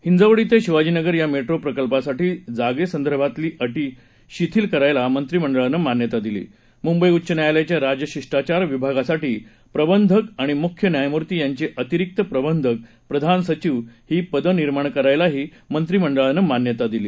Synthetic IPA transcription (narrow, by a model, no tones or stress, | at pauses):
hind͡zaʋɽiːt̪eɕiʋad͡ʑiːnəɡəɾjameʈɾopɾəkəlpasaʈiːd͡zaɡesənd̪əɾbʱat̪liːʔəʈi | ɕit̪ʰiːlkəɾajlamənt̪ɾiːməɳɖəɭnəmanjət̪ad̪ilḭː | mumbəjutːɕənjajlat͡ɕjaɾad͡ʑəɕiʂʈat͡ɕaɾʋibʱaɡasaʈiː | pɾəbənd̪ʱəkaɽ̃imukʰjənjajmuɾt̪iːjaɲt͡ɕiʔət̪iɾik̚t̪əpɾəbənd̪ʱək̚ | pɾəd̪ʱansət͡ɕiʋɦiːpəd̪əniɾmaɳ̃kəɾajlaɦiː | mənt̪ɾiːməɳɖəɭanəmanjət̪ad̪iliː